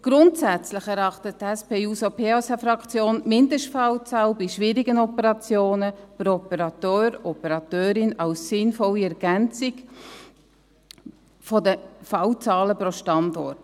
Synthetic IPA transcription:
ɡ̥ɾʊntsæt͡slɪχɛɾɑχtəttɛspeːuːsopʰeːosafɾɑkt͡sjoːnmɪndəʃtfɑwt͡sɑːlbiʃʋɪɾiɡənɔpəɾɑt͡sjoːnəpɾoɔpəɾɑtøːɾɔpəɾɑtøːɾɪnɑwsːɪnfɔliɛɾɡ̥ɛnt͡sɪɡ | fɔdəfɑwt͡sɑːləpɾoʃtɑndɔt

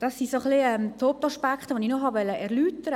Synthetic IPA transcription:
d̥ɑsːisoχliɛmt̪ʰop̚tɑʃpakχtəʋonɪxnoχhɑʋɛlːəʔɛʁlyːtəɾə

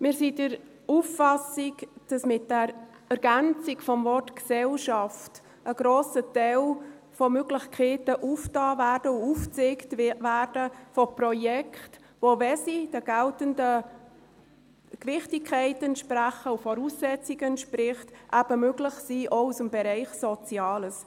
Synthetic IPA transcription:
mɪːɾsidəɾ | ufːɑsiɡd̥ɑsmɪt̚d̥ɛɾ | ɛɾɡ̥ænt͡sikfɔmvɔrtksɛlʃɑft | ʔəɡ̥ɾoːsətɛl | fɔmøɡlɪçkʰeːtəʔuftɑːvæːrdəuuft͡seːktʋæːrd̥əfɔprɔjɛkʰχt | ʋovɛsid̥əɡ̥æltəndə | kʋɪχtɪkʰχɛɪtɛntʃpræχəufɔɾuːsːɛt͡siɡəɛntʃpɾɪχtʔæb̥əmøɡlɪχsiːʔousəmbɛɾɛɪχsɔt͡sjɑːləs

